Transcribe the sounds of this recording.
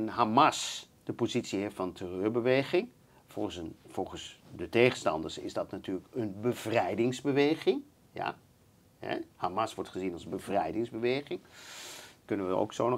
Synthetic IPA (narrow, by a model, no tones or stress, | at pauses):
nɦamɑs | d̥əpozitsiɦeftfɑntʰərøːɹbəʋejχɪŋ | fɔfɔlˠχəsdətejχənstɑ̰ndəɹsɪ̰zdɑtnatyːləkənbəv̥rɛjdɪŋzbəʋejχɪŋ | ja̰ | hɛ̰hamɑsʋɔɹtχəzinɑlˠzbəvrɛjdɪŋzbəʋejχɪŋ | kɵnənʋəo̰wksown